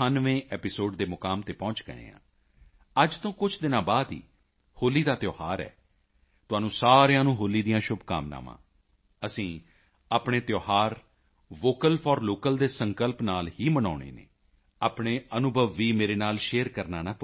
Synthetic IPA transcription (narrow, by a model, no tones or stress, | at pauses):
aːnʋẽːʔɛːpɪsoːɖd̪eːmʊkaːmt̪eːpɔ̃ːt͡ʃɡə̰ḛ̃ːã̰ː | əd͡ʒt̪õːkʊt͡ʃʰd̪ɪnãːbaːd̪ɦḭː | hoːliːd̪aːt̪joːhaːɾɛ̰ː | t̪ʊaːnũːsaːɾejãːnũːɦoːliːd̪ijãːʃʊbka̰ːmna̰ːmã̰ː | əsĩː | aːpɳeːt̪joːhaːɾ | ʋoːkəlfʰɔːɾloːkəld̪eːsəŋkəlpnaːlɦiːməna̰ːɽ̃ḛːnḛː | aːpɳ̃eːənʊbʱəʋːiːmeːɾeːnaːlʃeːəɾkəɾnaːnaːp